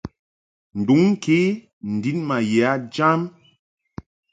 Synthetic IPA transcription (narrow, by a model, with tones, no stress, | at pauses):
n̩˨du˨˦ŋ̩˦kʰe˦ | n̩˨di˨˦nma˨jɛ˨a˦d͡ʒa˦m